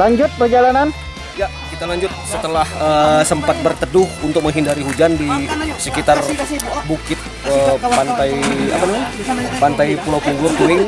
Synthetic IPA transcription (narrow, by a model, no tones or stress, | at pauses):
laɲd͡ʒʊt̪̚pərd͡ʒalanan | ja | kit̪alaɲd͡ʒʊt̪̚sət̪əlahəsəmpat̪̚bərt̪ədʊhunt̪ʊk̚məŋɦindaɾiɦud͡ʒandisəkit̪arbukɪt̪̚ | əpant̪aja̰panamaɲapant̪ajpulawkiŋɡulʊt̪uɪŋ